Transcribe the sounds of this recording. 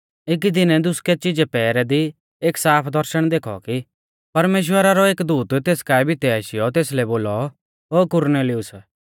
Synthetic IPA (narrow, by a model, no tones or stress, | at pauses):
ɪk̬id̪ɪnɛd̪ʊskɛt͡ʃɪd͡ʒɛpɛːɾɛd̪i | eːksaːpʰd̪ɐɾʃəɽ̃d̪eːkʰɔ̰ki | pɐɾmeːʃ̬wəɾaɾɔeːkd̪uːt̪t̪eːskaːɛbʱɪt̪ɛaːʃɪjɔt̪eːslɛboːlɔ | ɦoːkʊɾneːlɪʊs